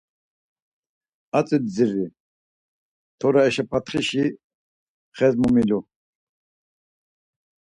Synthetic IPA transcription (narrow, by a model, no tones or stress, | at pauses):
at͡sʼid̪d͡ziri | t̪ʰɔɾaɛʃapʰat̪χiʃi | χɛzmumilu